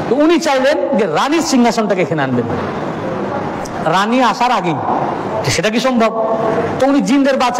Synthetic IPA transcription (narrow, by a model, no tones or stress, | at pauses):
t̪ɔunit͡ɕajlend͡ʑeɾaniɾsiŋɡʱasɔnʈakekʰenanben | ɾaniaʃaɾaɡej | d͡ʑeʃeʈak̬iʃɔmbʱɔb̚t̪ɔunid͡ʑinɾeɾbat͡ʃ